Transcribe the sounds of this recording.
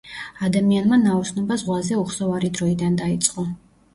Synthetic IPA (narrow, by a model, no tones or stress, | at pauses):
ad̪amianmanaɔsnɔbazʁwazɛuχsɔvaɾid̪ɾɔid̪and̪ait̪sʼqʼɔ